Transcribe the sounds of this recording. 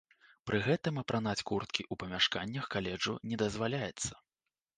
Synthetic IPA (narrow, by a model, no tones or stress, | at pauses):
pɾʔɨɣɛt̪ɨmɐpɾʔanat͡sʲkurt̪kʲiʔupɐmʲaʂkanʲːɐxkalʲɛd͡ʐṵnʲɛd̪ɐzvalʲajɛt̪sːɐ̥